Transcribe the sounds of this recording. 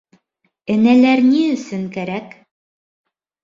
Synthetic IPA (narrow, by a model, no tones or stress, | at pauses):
ɘ̆nælæɾniɵ̆sɵŋkæɾæk